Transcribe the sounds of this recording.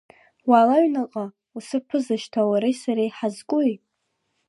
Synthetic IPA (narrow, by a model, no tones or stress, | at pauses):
waːlaɥnaqʼa | usɨpʰɨzaʃtʰawaɾejsaɾejħazkʷʼʊjʼ